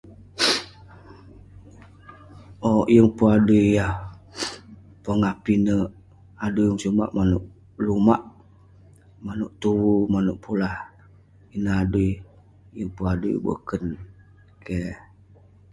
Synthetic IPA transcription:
ojəŋpuadujah | paŋapinə | adujəŋsuma̰ʔmanuʔ | lumaʔ | manuʔt̪uwumanuʔpʰulah | inəaduj | jəŋpuadṵjbə̰kən | ke

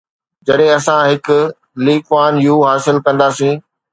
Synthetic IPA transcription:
d͡ʑɐɗɦẽɐsãɦɪkʊ | liːkʋaːnjuːɦaːsɪlkɐ̃nd̪aːsĩː

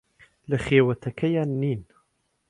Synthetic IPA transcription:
lɪxeːwat̪akʰajanːiːn

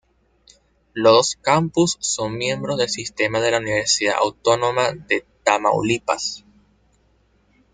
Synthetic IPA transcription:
loðoskampusːoŋmje̞mbɾozðe̞lsist̪e̞maðe̞launiβe̞ɾsiða̰a̰wt̪o̞no̞maðe̞t̪ama̰ṵlipa̰s

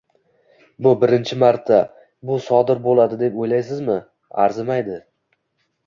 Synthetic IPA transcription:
bʊbɪɾɪnt͡ʃʰɪmaɾt̪ʰːa | bʊsɒd̪ɪɾbolˠad̪ɪd̪e̞pojlajs̬ɪzmɪ | a̰ɾzɪmajd̪ɪ

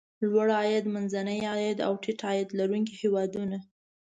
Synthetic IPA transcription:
lwaɽɑjad̪manzanəjɑjad̪a̰wʈʰɪʈɑjad̪laɾuŋkihewɑd̪una

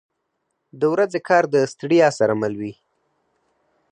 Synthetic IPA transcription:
d̪əwɾazekʰɑɾd̪əst̪ɽijɑsaɾamalwi

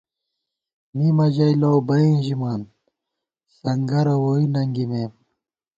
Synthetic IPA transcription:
mimɐʑɐjlowbɐĩʑimaːn | sɐŋɡɐɾɐwoːinɐŋɡimeːm

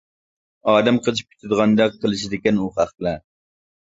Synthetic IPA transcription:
ɑːd̪ɛmqʰət͡ʃʰi̥p̚kʲʰy̥t̪ʰɪd̪əʁɑnd̪ɑqʰːəlˠɨʃid̪ɪkʲɛnuχæχt̪lˠɛ

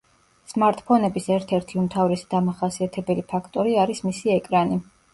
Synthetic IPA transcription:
smaɾt̪ʼpʰɔnɛbisɛɾt̪ʰɛɾt̪ʰiumt̪ʰavɾɛsid̪̥amaχasiat̪ʰɛbɛlipʰakʰt̪ʼɔɾiaɾismisiɛkʼɾani

